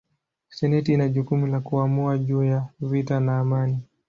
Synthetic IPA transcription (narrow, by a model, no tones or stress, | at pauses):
sɛnɛtiinaʄukumulakuamuaʄuːjavitanaːmani